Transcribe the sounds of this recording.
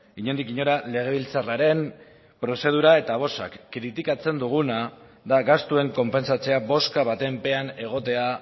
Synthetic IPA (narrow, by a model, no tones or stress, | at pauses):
iɲo̞nd̪ikiɲo̞ɾale̞ɣ̞e̞β̞ilt͡saraɾe̞m | pɾo̞se̞ð̞uɾae̞t̪aβ̞o̞sa̰kːɾit̪ikat͡se̞nd̪uɣ̞una | ðaɣast̪ue̞ŋko̞mpe̞nsat͡se̞abo̞skaβat̪e̞mpe̞ane̞ɣ̞o̞t̪e̞a